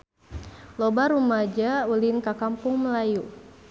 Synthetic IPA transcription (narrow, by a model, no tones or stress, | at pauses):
lɔbaɾumad͡ʒaulɪnkakampʊŋməlaju